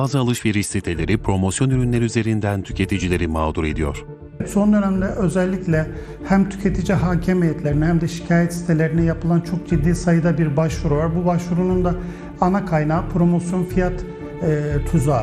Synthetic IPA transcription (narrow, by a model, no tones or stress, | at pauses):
aːzɯalˠɯʃveɾiʃsit̪ʰelʲe̞ɾipʰɾo̞mo̞sjo̞nyɾynlʲeɾiyze̞ɾind̪ænt̪ʰy̥cʰe̞t̪ʰid͡ʒilʲe̞ɾimaːd̪uɾe̞d̪ijo̞̰ɾ̥ | so̞nd̪øɾæmd̪ɛʔø̞zɛlʲːiclʲɛ | hæmt̪ʰy̥cʰe̞t̪ʰid͡ʒiɦaːcʰemejɛt̪lʲe̞ɾinɛhæmd̪ɛʃi̥cʰaːjɛt̪ist̪ʰe̞lʲe̞ɾinɛjapʰɯlˠant͡ʃʰo̞k̚d͡ʒid̪ːiːsajɯd̪abiɾbaʃvuɾujoɾbubaʃvuɾunund̪a | anakʰajnaːpɾo̞mo̞sjo̞nfijat̪ː | t̪ʰːuzaː